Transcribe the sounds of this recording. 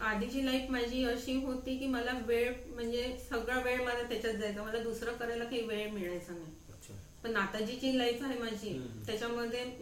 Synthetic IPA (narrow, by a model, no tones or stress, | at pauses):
ad̪ʱit͡ɕiːlaifmad͡ʑʱiːəɕiːɦot̪iːkiːməlaʋeɭm̤əɳd͡zesəɡɭaʋeɭməlat̪jat͡ɕat͡sd͡zajt͡səməlad̪usɾəkəɾajlakaɦiːʋeɭmiɭajsaŋɡa | əɕʰa | pəɳːat̪ad͡ʑit͡ɕiːlaifaɦemad͡ʑʱiːt̪jat͡ɕjaməd̪ʱːje